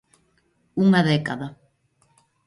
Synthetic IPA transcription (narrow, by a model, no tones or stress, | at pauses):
uŋaðekaðɐ